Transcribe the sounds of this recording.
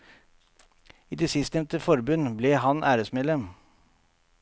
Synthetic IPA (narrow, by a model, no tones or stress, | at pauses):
iːd̪eːsɪst̪nɛʋnt̪əfɔɾbʉnbleːhɑnʔæːɾəsmeɛːd̪lɛm